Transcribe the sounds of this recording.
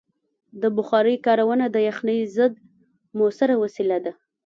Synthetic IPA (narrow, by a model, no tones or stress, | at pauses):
d̪əbʊxɑɾəjkɑɾawənad̪əjaxnəjzəd̪̚ | mosaɾawasilad̪a